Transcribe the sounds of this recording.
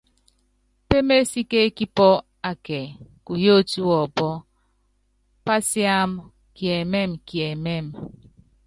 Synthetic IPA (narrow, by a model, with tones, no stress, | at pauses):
pe˦me˦si˦ke˦ki˦pɔ˦ | a˨ke˨ku˨jo˦˨tu˦wɔ˨bɔ˦ | pa˦sja˦m | kje˨me˦mki˨e˨me˦˨m